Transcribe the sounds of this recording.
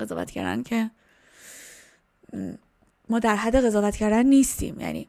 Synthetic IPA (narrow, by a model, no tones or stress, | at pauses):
e̞zɒ̰ːvæ̰t̪ʰcʰæ̰ɾd̪æ̰ncʰe̞ | mɒːd̪æɾɦæd̪ːe̞ɣezɒːvæt̪cʰæɾd̪ænːiːst̪ḭːmjæ̰nḭː